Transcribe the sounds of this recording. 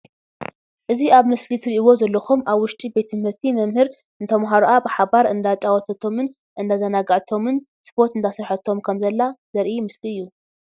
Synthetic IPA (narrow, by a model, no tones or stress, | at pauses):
ʔɨziaβmɨslit̪ʰɨɾiʔwo̞zɐlːɐxumʔaβwʊʃt̪ʼibe̞t̪ʰɨmhɨɾt̪ʰimɐmhɨɾ | ɨnt̪ʰɐmɦaɾuʔabɨħaβaɾɨnd̪at͡ʃʼawɔt̪ʰɐt̪ʰo̞mɨn | ʔɨnd̪azɐnaɡaʕt̪ʰo̞mɨn | spʰo̞ɾt̪ɨnt̪ʰasɨɾħɐt̪ʰːo̞mkʰɐmzɐlːazɐɾʔimɨsliɨjːu